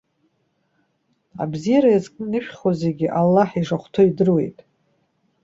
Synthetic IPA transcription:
a̰bzijaɾajazkʼɨnɨʃᶣχozeɡʲɪʔalːaħiʐaχʷtʰoidɨrwe̞jtʼ

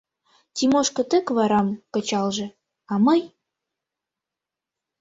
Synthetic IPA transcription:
t̪ʲimoʃkɤ̆t̪ə̆kβɑɾɑmkə̆t͡ɕɑlʒɤ̆ | ɑməj

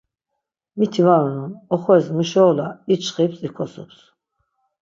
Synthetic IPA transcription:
mit̪ʰivanɔnɔnɔχɔɛsmiʃɔːlait͡ʃʰχipsʼikʰɔsɔ̰ps

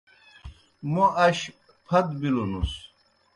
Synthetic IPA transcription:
moʔɐɕ | pʰɐt̪bilunus

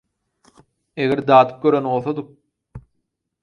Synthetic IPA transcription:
eɣeɾd̪ɑːd̪ɯ̥p̚ɡʲøɾøno̞lˠθod̪u

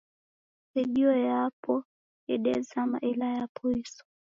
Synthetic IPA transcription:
iɗiɔjapʰɔ | ɛɗɛzamaʔilajapʰɔisɔ̥

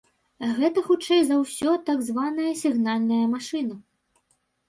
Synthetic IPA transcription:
ɣɛt̪ɐxut͡ʂɛjzɐwsʲɔt̪aɡzvanɐjɐsʲiɣnalʲnɐjɐmaʂɨnɐ

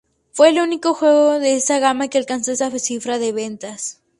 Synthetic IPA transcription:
fwe̞ːluniko̞xwe̞ɣoðe̞esaɣamakealkansoesafesifɾaðeβe̞nt̪as

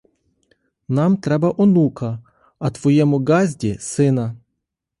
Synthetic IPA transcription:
namt̪ɾɛbɐʔɔnukʰɐ | ɐt̪ʋɔjɛmʊɡazʲdʲɪsɪnɐ

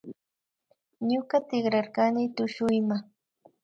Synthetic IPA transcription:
ɲʊkat̪ɪχɾaɾkanɪt̪ʊʃʊjmaŋ

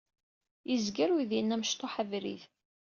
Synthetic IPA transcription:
jəzɡəɾwiðjənːæməʃt̪oħavɾḭθ

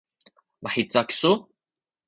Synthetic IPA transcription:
maħit͡sːaksu

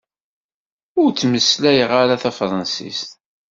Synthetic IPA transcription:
ʊɾt͡sːməslæjʁaɾaθæfɾˤɑnsḭst̪

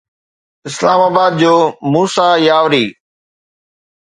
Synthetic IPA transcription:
ɪslaːmaːbaːd̪̚d͡ʑoːmuːsaːjaːʋɾiː

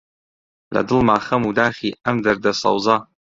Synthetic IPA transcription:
la̰dɨlmaːχɐmudaːχʲiʔamdɐrdasa̰wzaː

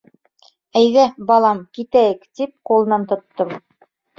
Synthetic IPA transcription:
æjðæbɑlˠɑmkit̪æjɘkt̪ip̚qulˠɤ̆nɑnt̪ŏt̪ːɤm

